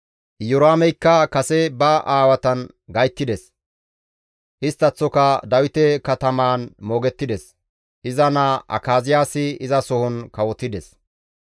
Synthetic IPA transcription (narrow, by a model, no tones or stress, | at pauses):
jʊɾaːmɛjkːɐkɐsɛbɐʔaːwɐt̪ɐn | ɡɐjt̪ːɪd̪ɛs | ʔɪst̪ːɐt͡sːɔkɐd̪ɐwɪt̪ɛkɐt̪ɐmaːnmo̞ːɡɛt̪ːɪd̪ɛs | ʔɪzɐnaʔɐ̰kaːzɪjaːsɪɪzɐsɔhɔnkɐwɔt̪ːɪd̪ɛs